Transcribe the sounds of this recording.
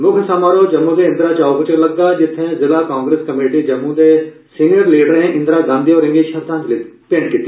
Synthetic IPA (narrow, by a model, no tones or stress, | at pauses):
mʊkʰnsaːmaːɾoːd͡ʒəmːũːd̪eːɪ̃nd̪ɾaːt͡ʃaːopət͡ʃəɾləɡːaːd͡ʒɪt̪ʰːẽːzɪlaːkaːŋɡɾeːskəmeːʈiːd͡ʒəmːũːd̪eː | siːniəɾliːɖəɾẽːʔɪ̃nd̪ɾaːɡãːnd̪iːɔːɾɪ̃ŋɡiːʃʰət̪ãːd͡ʒlɪpẽːɳʈkit̪ːiː